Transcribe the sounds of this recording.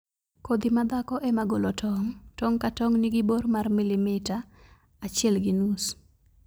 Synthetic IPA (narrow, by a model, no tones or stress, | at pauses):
kod̪imad̪akɔʔɛmaɡolɔtʰɔŋtɔŋkatɔŋniɡɪbormarmilimɪtaː | t͡ʃɪɛlɡinus